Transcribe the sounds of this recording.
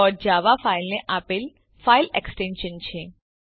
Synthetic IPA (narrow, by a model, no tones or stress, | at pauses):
ɔɾd͡ʒaʋafailneʔapɪl | faileksʈẽnʃənt͡ʃʰe